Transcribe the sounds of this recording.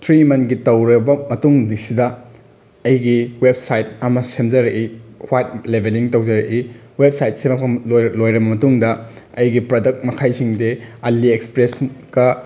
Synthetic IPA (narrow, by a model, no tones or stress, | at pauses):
tʰɾimɐnɡitɐwɾɐbɐmɐtuŋnisidɐ | ɐjɡiweb̚sajt̚ɐmɐsemzɐɾɐʔihwajt̚lebʱeliŋtɐwzɐɾɐʔi | web̚sajt̚semɐlojɾɐbɐmɐtuŋdɐɐjɡipɾodɐk̚t̚mɐkʰajsiŋdeɐlːiekspɾesɡɐ